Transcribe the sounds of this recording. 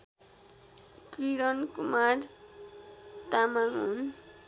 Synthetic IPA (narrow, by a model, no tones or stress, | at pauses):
kiɾonkumaɾ | t̪amaŋun